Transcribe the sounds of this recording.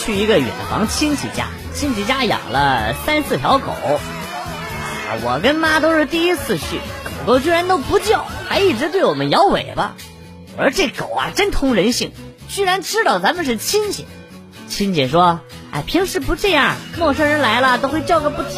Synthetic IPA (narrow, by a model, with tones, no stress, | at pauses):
t͡ɕʰy˥˩i˧˥ɡə˧ɥɛ̰˨˩nfɑ̰˧˥ŋt͡ɕʰi˥nt͡ɕʰḭ˧˩t͡ɕja̰˥ | t͡ɕʰi˥nt͡ɕʰi˧˥˩t͡ɕja˥jɑ̰˨˩ŋlə˦sa˥nsɹ̩˥˩t̪ʰjɑ˧˥ʊko̰˨˩˦ʊ | wɔ̰˨˩kə˥nma˥t̪̬o˥ʊʂɻ̩˥˧t̪i˥˧i˥t͡sʰɹ̩˥˧ɕy̰˥˩ko˨˩ʊk̪o˥˧ʊt͡ɕɥi˥ɻa˧˥nt̪o˥ʊpu˧˥t͡ɕjɑ˥˩ʊxa˧˥ɪi˥˩ʈ͡ʂɻ̩˧˥t̪we˥˩ɪwɔ˨˩mə˦njɑ˧˥ʊwḛ˨˩ɪbɐ̰˦ | ə˞˧˥ʈ͡ʂe˥˩ko˨˩ʊɐ̰˧ʈ͡ʂə˥nt̪ʰʊ˥ŋɻə˧˥nɕi˥˩ŋ | t͡ɕy˥ɻa˧˥nʈ͡ʂɻ̩˥t̪ɑ˥˩ʊt͡sa˧˥mə˨nʂ̬ɻ̩˥˩t͡ɕʰi˥nt͡ɕʰɛ̰˨˩˦ | t͡ɕʰi˥nt͡ɕʰɛ˨˩ʂwɔ˥ | a̰˥˩ɪpʰi˧˥ŋʂɻ̩˥˩pu˧˥ʈ͡ʂɤ˥˧jɑ˥˩mwɔ˥˩ʂɤ˥ɻə˧˥nla˧˥ɪlə˧t̪o˥ʊxwe˥˧ɪt͡ɕjʊɡə˧pu˥˩t̪ʰ